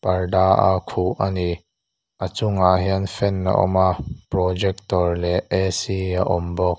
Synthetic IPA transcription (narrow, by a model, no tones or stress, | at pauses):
pɐrdaʔa̰kʰuʔʔani | ʔat͡sʊŋaʔɦiənfɛnːa̰ʔɔ̰maʔprɔd͡ʒɛk̚t̪ɔrlɛɛsiaʔɔmbɔk̚